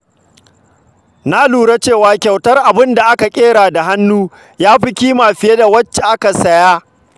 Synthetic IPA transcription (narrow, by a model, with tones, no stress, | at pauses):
na˦luː˨ɽa˦t͡ʃeː˦˨waː˦kʲa˨wtɐ˦rʔa˨bɪ˦nda˨ʔa˦ka˨kʲʼeː˦ɾaː˨da˨ɦa˦nːuː˦ | jaː˦ɸɪ˦kʲiː˦maː˨ɸɪ˨je˦da˨wɐ˦t͡ʃːe˨ʔa˦ka˨sɐ˦jaː˦